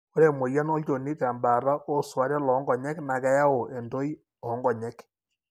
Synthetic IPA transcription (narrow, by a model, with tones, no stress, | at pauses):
o˦ɾe˨mo˨ja˦nɔ˦t͡ʃo˨ni˦ta˨mba˨ɾa˦ʔo˦swa˦ɾɛ˦lɔ˨˦ŋɡɔ˨ɲɛ˦kna˨kɛ˦ja˦o˨e˨ndo˦i˦ | ɔ˨˦ŋɡɔ˨ɲɛ˦k